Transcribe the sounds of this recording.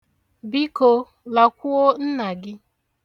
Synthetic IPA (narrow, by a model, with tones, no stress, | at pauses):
bi˦ko˨ | la˨kʷu˦o˦n̩˦na˨ɡɪ˦